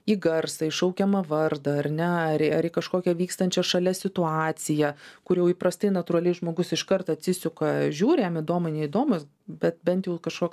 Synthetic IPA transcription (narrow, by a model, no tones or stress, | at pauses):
iːɡɐrsɐɪʃɐʊkʲɛmɐʋɐrd̪ɐɐrʲnʲɛɐɾɐɾikɐʃkoːkʲɛʋʲiːkst̪ɐnʲt͡ʃʲɛʃɐlʲɛsʲɪt̪ʊɑːt̪t͡s̪ʲɪjɛkʊrjɛʊiːpɾɐst̪ɐɪnɐt̪ʊɾɐlʲɛɪʒmoːɡʊsɪʃkɐrt̪ɐt̪ʲsʲɪsʲʊkɐʒʲuːɾʲɪjɛmɪd̪oːmɐɪnʲɛid̪oːmʊs | bʲɛt̪̚bʲɛnʲt̪jɛʊkɐʃkoːk